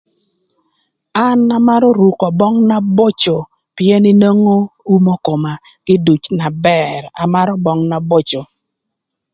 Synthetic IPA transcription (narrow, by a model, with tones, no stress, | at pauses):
a˦na˨ma˦ɾɔ˦ɾu˨kɔ˨bɔ˦ŋna˦bo˦t͡ʃo˨ | pjɛ˦nɪ˦no˦ŋo˦u˦mɔ˦ko˨ma˨ | ɡ̥ɪ˦du˨t͡ʃna˨bɛ˦ra̰˨ma˦ɾɔ˦bɔ˦ŋna˨bo˦t͡ʃo˨